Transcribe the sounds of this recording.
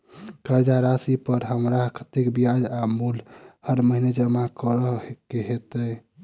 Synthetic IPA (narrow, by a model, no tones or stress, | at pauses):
kəɾd͡ʒaɾasipəɾɦəmɾakət̪ekbijad͡ʒamulhəɾməɦined͡ʒəmakəɾəɦekeɦet̪ə